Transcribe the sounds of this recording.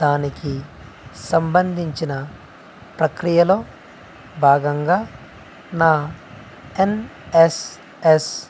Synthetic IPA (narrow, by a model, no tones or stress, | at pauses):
d̪aːniki | sɐmbɐnd̪ʱiɲt͡ʃinɐ | pɾɐkɾijɐlo̞ː | bʱaːɡɐŋɡaː | naː | enes | es